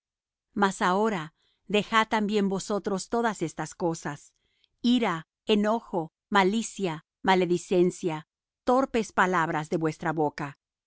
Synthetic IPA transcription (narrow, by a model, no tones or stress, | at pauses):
masao̞ɾa | ðe̞xat̪ːambje̞mbo̞so̞t̪ɾo̞st̪o̞ðase̞st̪asko̞sas | iɾa | eno̞xo̞ | malisja | male̞ðise̞nsja | t̪o̞ɾpe̞spalaβɾazðe̞βwe̞st̪ɾaβoka